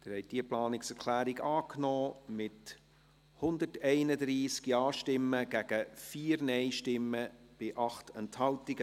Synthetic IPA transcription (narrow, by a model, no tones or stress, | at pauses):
d̪̥ɪɾhɛj̚d̥iəplɑːnɪksɛɾkʰlæːɾiɡɑːknɔːmɪt | hʊnd̪ətɛɪnədɾiːskjɑːʃtɪmːəɡ̥æɡ̥əfiːɾnɛɪʃtɪmːəb̥ɪʔɑχtɛnthɑltiɡə